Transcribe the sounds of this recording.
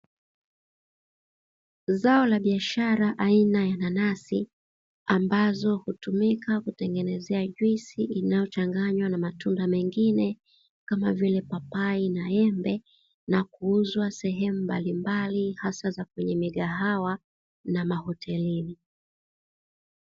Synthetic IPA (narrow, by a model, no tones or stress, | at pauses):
zaɔlaɓiaʃaɾaʔainajananasi | ambazɔhutumikakutɛŋɡɛnɛzɛaʄwisiʔinajɔt͡ʃaŋɡaɲwanamatundamɛŋɡinɛ | kamavilɛpapainaɛmbɛ | nakuuzwasɛɦɛmumbalimbalihasazak̚wɛɲɛmiɠaɦawa | namahɔtʰɛlini